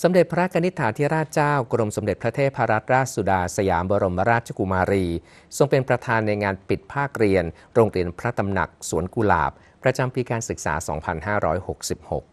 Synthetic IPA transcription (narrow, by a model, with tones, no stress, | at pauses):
so˩˦mde˨˩t̪̚pʰa˧ɾa˦˥kʰa˧ni˦˥t̪ʰːaː˩˦nt̪ʰi˦˥ɾaː˥˩t̪̚t͡ɕaː˥˩wkɾo˧mso˨˩˦de˨˩t̪̚pʰɾa˦˥t̪ʰeː˥˩t̪̚pʰːa˧ɾa˦˥t̪̚ɾaː˥˩t̪̚su˨˩daː˧sa˧ja̰ː˩˦mboː˧ɾo˧mːa˦ɾaː˥˩t̪̚t͡ɕʰa˧˩ku˧maː˧ɾiː˧ | so˧ŋpe˧npɾa˧t̪ʰaː˧nːa˧jŋaː˧npi˨˩t̪̚pʰaː˥˩k̚ɾi˧ən | ɾoː˧ŋɾi˧ənpʰɾa˦˥t̪a˧mna̰˨˩k̚su˨˩˦ənku˧la̰ː˨˩p̚ː | ɾa˧t͡ɕa˧mpiː˧kaː˧nsɯ˨˩k̚sa̰ː˩˦sɔ̰ː˩˦ŋpʰa˧nɦaː˥˩ɾɔː˦˥jho˨˩k̚si˨˩p̚ho̰˨˩k̚